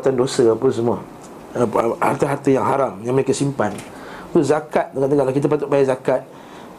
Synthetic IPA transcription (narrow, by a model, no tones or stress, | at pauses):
t̪andosəpuns̬umua | ha̰rt̪əɦart̪əjaŋɦaɾamjaŋməekəsimpan | t̪uzakat̪̚dəŋɡand̪əɡaʔlakit̪̬ap̬at̪uʔbajaʔzakat̪̚